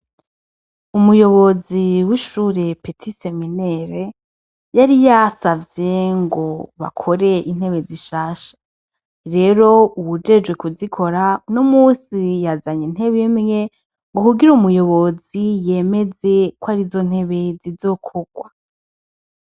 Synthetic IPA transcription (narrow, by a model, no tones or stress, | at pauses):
umujo̞βo̞ziwiʃuɾe̞petʰise̞mineɾe | jaɾijasavje̞ŋɡo̞βa̰kʰo̞ɾe̞ʔin̥he̞βe̞ziʃaːʃḁ | ɾe̞ɾo̞uβud͡ʒe̞d͡ʒɡwe̞kuzikʰo̞ɾanomusijazaɲin̥he̞βemŋe̞ | ŋɡo̞kuɡiɾumujo̞βo̞zije̞me̞ze̞kwaɾizo̞n̥he̞βe̞zizo̞kʰoɡ̥wa